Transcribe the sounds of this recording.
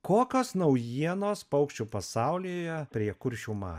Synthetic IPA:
koːkʲoːsnɐʊjiɛnoːspɐʊkʃʲt͡ʃʲupɐsɑʊlʲiːjɛpʲɾʲiɛkʊɾʲʃʲuːmɑ̰ː

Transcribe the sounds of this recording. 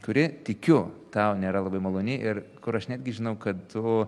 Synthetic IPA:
kʊɾʲɪt̪ʲɪkʲʊt̪ɐʊnʲeːɾɐlˠɐbɐɪmɐlˠoːnʲɪʔɪɾkʊɾɐʃnʲæːd̪ʲɡʲɪʒʲɪnɐʊkɐt̪̚t̪ʊ

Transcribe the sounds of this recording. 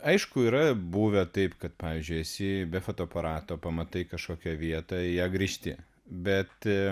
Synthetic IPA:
ɐɪʃkʊiːɾɐbuːʋʲot̪ɐɪpkɐt̪pɑːʋʲiːzʲd͡ʒʲʊɪɛsʲɪbʲɛfoːt̪oːɐpɐɾɑːt̪oːpɐmɐt̪ɐɪkɐʃkoːkʲɛʋʲiɛt̪ɐjæːɡɾʲiːʃʲt̪ʲɪ̰ | bʲɛt̪

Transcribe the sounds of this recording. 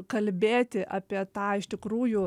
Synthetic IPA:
kɐlʲbʲeːt̪ʲɪʔɑːpʲiɛt̪ɑːɪʃt̪ʲɪkɾuːjʊ

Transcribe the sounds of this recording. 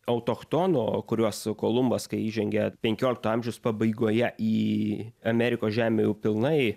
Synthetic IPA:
ɐʊt̪oːxt̪oːnoːkʊɾʲuɔskoːlˠʊmbɐskɐɪiːʒʲɛŋʲɡʲɛpʲɛŋʲkʲoːlʲɪkt̪ʊɐmʲʒʲɛʊspɐbɐɪɡoːjɛʔiːɐmʲɛɾʲɪkoːsʒʲæːmʲeːjɛʊpʲɪlˠnɐɪ

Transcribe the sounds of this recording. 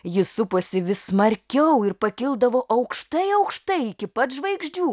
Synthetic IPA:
jɪsʊpoːsʲɪʋʲɪssmɐɾʲkʲɛʊɪɾpɐkʲɪlˠd̪ɐʋoːʔɐʊkʃt̪ɐɪɐʊkʃt̪ɐɪɪkʲɪpɐt̪ʒʋɐɪɡʒʲd͡ʒʲuː

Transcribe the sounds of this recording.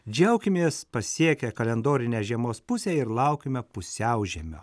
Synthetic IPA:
d͡ʒʲɛʊkʲɪmʲeːspɐsʲiɛkʲɛkɐlʲɛnd̪oːɾʲɪnʲeːʒʲiɛmoːspʊsʲeɪɾlˠɐʊkʲɪmʲɛpʊsʲɛʊʒʲiɛmʲo̰ː

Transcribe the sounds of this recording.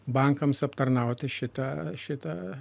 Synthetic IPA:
bɐŋkɐmsɐpt̪ɐrnɐˑʊt̪ʲɪʃʲɪt̪ɐʃʲɪt̪ɐ

